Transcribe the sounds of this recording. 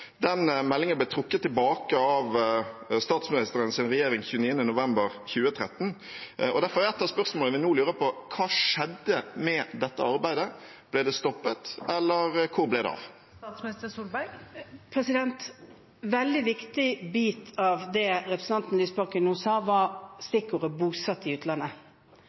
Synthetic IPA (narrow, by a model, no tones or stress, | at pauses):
d̪ɛnmɛlːɪŋənblɛt̪ʰɾʊkːət̪ʰːɪlbɑːkəɑʋst̪ɑːt̪smɪnɪst̪əɾənsɪnʁɛjeːɾɪŋçʉːniːənənʊʋɛmbəɾçʉːət̪ʰɾɛt̪ːn̩ɔd̪æɾfɔʁæɛt̪ːɑspœʁsmoːləʋɪnuːlʉːɾəpʰɔkʰɑːʂɛd̪ːəmɛd̪ɛt̪ːə̰ɑɾbæɪd̪ə | b̥lɛd̪ɛst̪ɔpːət̪ɛlːəɾkʰʊɾblæɪd̪ɛ̰ɑ̰ʋ̪ | t̪smnɪst̪əsuːlbæɡpʰɾɛsɪd̪ɛnt̪ | ʋɛld̪ɪʋɪkt̪ɪbiːt̪ʰɑʋd̪ɛɾɛpɾsn̩ɑnt̪n̩lyːsbɑʁkənuːsɑːʋɑst̪ɪkːʊɾəbuːsɑt̪ːɪʉːt̪ʰlɑnːə